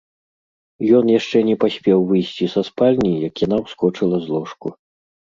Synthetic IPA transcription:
jɔnjaʂt͡ʂɛnʲɛpasʲpʲɛwvɨjsʲt͡sʲisaspalʲnʲijɐkjanawskɔt͡ʂɨlˠɐzlˠɔʂku

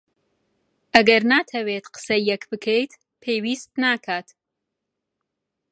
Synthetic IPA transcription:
ʔɐɡɐɾnaːt̪ʰɐwet̪qə̥sɐjɛkbɨkʰejt̪ | pʰeːjwiːst̪̚naːkʰaːt̪

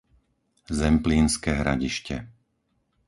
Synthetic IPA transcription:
zɛmpliːnskɛːɦɾa̰ɟiʃcɛ̰

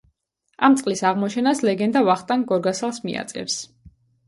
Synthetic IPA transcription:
amt̪sʼqʼlisaʁmɔt͡ʃʰɛnaslɛɡɛnd̪avaχt̪ʼaŋɡɔɾɡasalˠsmḭa̰t̪sʼɛ̰ps

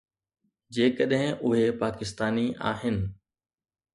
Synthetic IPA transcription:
d͡ʑeːkəɗɦɪ̃ʔʊɦepaːkɪst̪aːniʔa̰ːɦɪnɪ̆

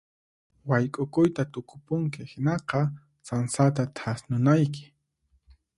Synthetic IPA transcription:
wajkʼʊkʊjt̪at̪ʊkʊ̥pʊŋkɪhɪnɑqɑ | sansat̪̬at̪ʰasnʊnajkɪ̥

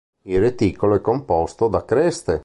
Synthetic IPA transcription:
ilret̪iːkoloɛkːompɔst̪od̪akɾɛst̪e

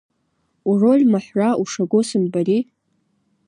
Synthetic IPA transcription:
urolʲmaħʷraʔuʂaɡʷosɨmbari

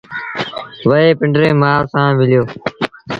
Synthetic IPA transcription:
ʋəɦeːpɪ̃ɳɖɾẽːmaːsãːmɪljoː

